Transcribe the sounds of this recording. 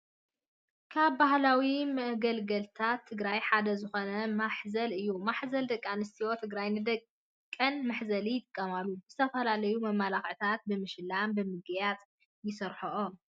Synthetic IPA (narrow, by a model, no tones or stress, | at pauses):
kʰaβbahlawimɐʔɡɐlɡɐlt̪ʰat̪ʰːɨɡɾajħad̪ɐzɨxo̞nɐmaħzɐlɨjːumaħzɐld̪ɐkʼːanɨst̪ʰiwo̞t̪ʰɨɡɾajnɨd̪ɐk | kʼːɐnmaħzɐlijɪt̪ʼɨkʼːɐmalːuzɨt̪ʰɐfɐlalɐjumɐmːalaxʕɨt̪ʰat̪̚bɨmɨʃlambɨmɨɡjat̪ | jɪsɨɾħoʔom